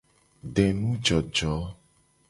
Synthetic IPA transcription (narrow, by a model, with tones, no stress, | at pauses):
ɖɛ˨nũ˦d͡ʒɔ˨d͡ʒɔ˨˦